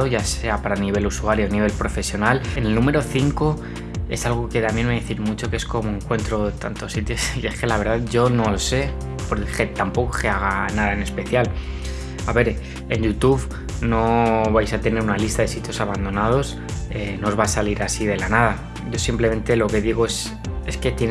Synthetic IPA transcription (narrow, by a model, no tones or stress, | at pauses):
oʝase̞apaɾaniβ̞e̞lusuaɾjoniβ̞e̞lpɾo̞fe̞sjo̞nalene̞lnũme̞ɾo̞θiŋko̞ | e̞salɣ̞oke̞t̪amje̞nmeðeθiɾmut͡ʃo̞keesko̞moeŋkwe̞nt̪ɾo̞t̪a̰nt̪o̞sːit̪josie̞ske̞laβ̞e̞ɾð̞aðʝo̞no̞lose̞ | po̞ɾxet̪ampo̞kokeaɣ̞anaðaene̞spe̞θjal | aβe̞ɾ | e̞njut̪uβ | no̞βajsat̪e̞ne̞ɾunalist̪aðe̞sit̪jo̞saβand̪o̞nað̞o̞s | enoozβasaliɾasiðe̞lanað̞a | ɟ͡ʝo̞simple̞me̞nt̪e̞lo̞ke̞ðiɣ̞o̞e̞s | e̞ske̞t̪jen